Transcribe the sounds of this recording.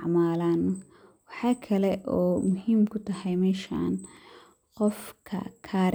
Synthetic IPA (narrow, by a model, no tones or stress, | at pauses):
ʕmaːlaːn | wɑħɑːkʰɐlɛʔɔːmʊhiːmkʰʊt̪ʰɐhɛjmɛːʃa̰ːn | qɔfkʰɐ̰kʰaːɾ